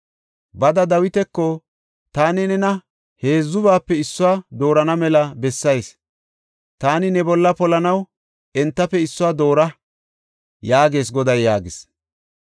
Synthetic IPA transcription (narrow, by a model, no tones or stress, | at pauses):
bɐd̪ɐd̪ɐwɪt̪ɛkːɔ | t̪aːnɪnɛnɐ | he̞ːzːʊβaːpːɛɪsːʊwaːd̪o̞ːɾɐnɐmɛlɐbɛsːɐjs | t̪aːnɪnɛbɔlːɐpɔlɐnɐw | ɛnt̪ːɐpːɛɪsːʊwaːd̪o̞ːɾɐ | jaːɡe̞ːs̬ɡɔd̪ɐjːaːɡɪs